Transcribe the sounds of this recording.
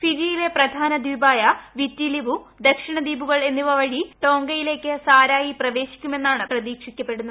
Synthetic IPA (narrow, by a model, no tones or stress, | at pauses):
fiɾijile̞prɐd̪ʱaːnɐd̪iːbaːjɐʋitːilibud̪ɐkʂiɳɐd̪iːbuɣɐɭe̞nːiʋɐʋɐɻiʈo̞ːŋɡɐjile̞ːkːɨsaːɾaːjiprɐʋe̞ːɕi̥kʲːume̞nːaːɳɨprɐðiːkʂikʲːɐpːe̞ɽunːɐ